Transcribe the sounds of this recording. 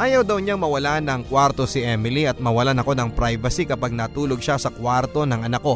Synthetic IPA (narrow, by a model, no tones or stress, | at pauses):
ʔaːjɐwd̪ɐwɲaŋmɐwɐlanɐŋkwaɾt̪osɪʔɛmɪliɐt̪̚mɐwɐlanɐko̞nɐŋpɾajvɐsikɐpaɡ̚naːt̪uːlo̞ɡ̚ʃasɐkwaɾt̪o̞nɐŋʔɐnɐko̞